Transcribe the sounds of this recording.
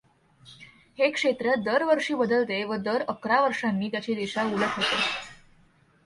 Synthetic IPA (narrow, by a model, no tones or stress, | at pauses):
hekʂet̪ɾəd̪əɾʋəɾʂiːbəd̪əlt̪eʋəd̪əɾəkɾaʋəɾʂanːiːt̪jat͡ɕiːd̪eɕauləkʰɦot̪e